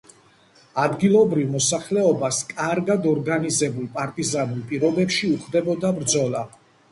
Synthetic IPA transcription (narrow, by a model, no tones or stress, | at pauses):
ad̪ɡilˠɔbɾivmɔsaχlɛɔbaskʼaɾɡad̪ɔɾɡanizɛbulˠpʼaɾt̪ʼizanulˠpʼiɾɔbɛpʃiuχd̪ɛbɔd̪abɾd̪zɔlˠa